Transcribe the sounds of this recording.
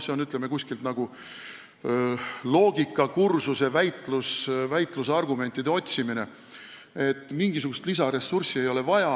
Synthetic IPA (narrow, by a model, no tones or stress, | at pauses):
se̞o̞nyt̪ˑleme̞kusʲkilt̪nɑɡ̥u | lo̞ːɡ̥ikːˑɑkursuse̞væjt̪ˑlusvæjt̪ˑluseɑrɡ̥ume̞nʲt̪ːˑid̪e̞o̞t̪ʲsimine̞ | e̞t̪ːˑmiŋɡ̥isuɡ̥ust̪lisɑɾe̞sursie̞jo̞le̞vɑjɑ